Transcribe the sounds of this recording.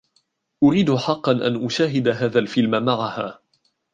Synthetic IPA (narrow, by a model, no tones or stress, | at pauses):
ʔʊɾiːd̪ʊħɑqːɑnʔa̰nʔʊʃaːɦɪd̪aɦaːðaːlfɪlmamaʕahaː